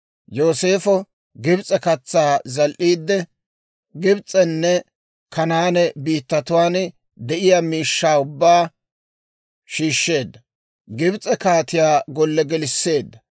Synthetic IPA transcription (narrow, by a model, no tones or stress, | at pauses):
jo̞ːse̞ːfɔ | ɡɪbt͡sʼɛkɐt͡sːaːzɐlʔiːd̪ːɛ | ɡɪbt͡sʼɛnːɛ | kʰɐnaːnɛbiːt̪ːɐt̪ʊwaːn | d̪ɛʔɪjaːmiːʃːaːʊbːaː | ʃiːʃːe̞ːd̪ːɐ | ɡɪbt͡sʼɛkaːt̪ɪjaːɡɔlːɛɡɛlɪsːe̞ːd̪ːɐ